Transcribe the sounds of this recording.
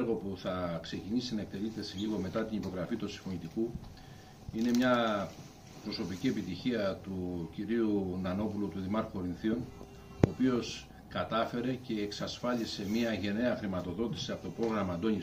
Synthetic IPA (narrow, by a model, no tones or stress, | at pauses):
ɾɣo̞puθɐkse̞cinisinɐe̞k̚t̪e̞lit̪e̞sliɣo̞me̞t̪ɐt̪inipo̞ɣɾɐfit̪usi̥fonit̪iku | ine̞mɲɐ | pɾo̞so̞picie̞pit̪içiɐt̪uciɾiunɐno̞pulut̪uðimɐɾkoɾinθio̞n | oːpio̞s | kɐt̪ɐfe̞ɾe̞ce̞ːksɐsfɐlise̞miɐʝe̞ne̞ɐxɾimɐt̪o̞ðo̞t̪i̥siɐpot̪opɾo̞ɣɾɐmɐːnd̪o̞ni